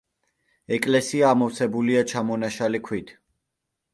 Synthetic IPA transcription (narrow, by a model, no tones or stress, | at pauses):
ɛkʼlɛsiaːmɔfsɛbuliat͡ʃʰamɔnaʃalikʰwit̪ʰ